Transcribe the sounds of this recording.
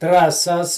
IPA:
trɐˈsɐs

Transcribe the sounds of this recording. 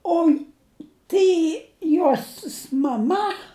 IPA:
ˈoːɪ ˈtɐɪ ˈjoːsʲɪs mɐˈmɐ

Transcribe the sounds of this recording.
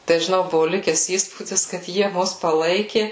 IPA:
tɐɪ ʒʲɪˈnɐʊ ˈbʊʋʊ ˈlʲɪkʲɛs ˈiːspuːdʲɪs kɐt ˈjiɛ ˈmʊs pɐˈlˠɐɪkʲɪ

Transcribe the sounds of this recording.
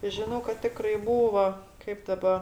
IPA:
ˈʒʲɪnoː kɐt ˈtʲɪkrɐɪ ˈbuːʋɐ ˈkɐɪp ˈdɑːbɐ

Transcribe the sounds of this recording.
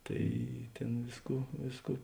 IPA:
ˈtɐɪ ˈtʲeːn ˈʋʲeːsˌkuː ˈʋʲeːsˌkuː

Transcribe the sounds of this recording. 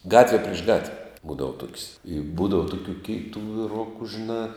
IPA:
ˈɡɑːtʲʋʲɛ pʲrʲɪʃ ˈɡɑːtʲʋʲɛ ˈbuːdɐʋɐ tuɔkʲsʲ ɪ ˈbuːdɐʋɐ ˈtʊkʲuː ˈkʲeːɪtʊ ʋʲɪˈrʊkʊ ʒʲɪˈnɑː

